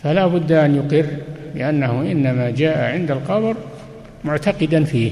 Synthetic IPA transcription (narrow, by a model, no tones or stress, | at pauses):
falaːbʊd̪ːʔanjʊqɪrːlɪʔanːahʊʔɪnːamad͡ʒaːʔaʕɪnd̪alqɑbɾ | mʊʕt̪aqɪd̪anfiː